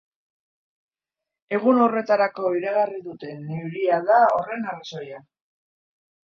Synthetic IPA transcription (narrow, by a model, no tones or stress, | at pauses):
e̞ɣ̞uno̞re̞t̪aɾako̞iɾaɣariðut̪e̞neuɾiaðao̞re̞naraso̞ja